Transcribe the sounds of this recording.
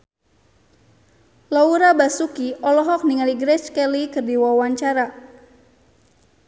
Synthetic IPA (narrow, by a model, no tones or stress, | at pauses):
lɔuɾabasukiʔɔlɔɦɔk̚niŋaliɡɾɛt͡ʃkɛlikɨrdiwawaɲt͡ʃaɾa